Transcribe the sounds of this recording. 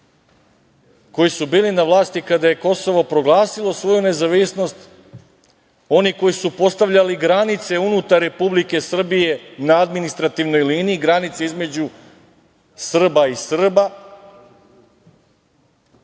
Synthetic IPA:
ko̞jisubiːlinaʋlˠaːst̪ikad̪aje̞ko̞so̞ʋo̞pɾo̞ɡlˠaːsilˠo̞sʋo̞june̞zaʋisno̞st̪ | o̞niko̞jisupo̞st̪aʋʎʲaliɡɾanit̪se̞unut̪aɾːe̞publike̞sr̩bije̞naad̪minist̪ɾat̪iʋno̞jliːniːɡɾanit̪se̞izme̞d͡ʑu | sr̩baisr̩ba

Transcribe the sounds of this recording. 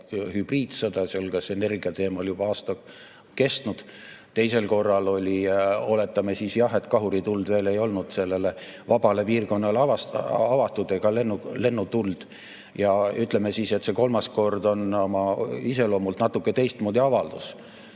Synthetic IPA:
hyb̥riːd̪sɤd̪̥ɑseolkɑsene̞rɡiɑt̪e̞ːmɑljub̥ɑɑːst̪ɑ | ke̞st̪nud̪̥ | t̪e̞jse̞lko̞rːɑlo̞lʲio̞le̞t̪ːˑɑmesisjɑhe̞t̪kɑɦuɾit̪uld̪ve̞ːle̞jo̞lnud̪̥se̞lːe̞levɑbɑle̞piːrko̞nːɑlɑvɑsɑvɑt̪ːˑud̪eɡ̥ɑlenːule̞nːut̪uld̪̥ | jɑyt̪ˑle̞mesise̞t̪ːse̞ko̞lmɑsko̞rd̪o̞nomɑise̞lo̞ːmult̪nɑt̪ːukːˑet̪e̞jst̪moːd̪ʲiɑvɑld̪̥us

